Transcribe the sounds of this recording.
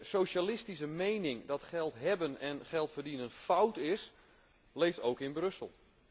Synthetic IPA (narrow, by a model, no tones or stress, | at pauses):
sowʃalɪstisəmejnɪŋdɑtχɛlˠtɦɛbənɛnχɛlˠtfərdinənfawtɪs | lejftoːwkɪnbrɵsəlˠ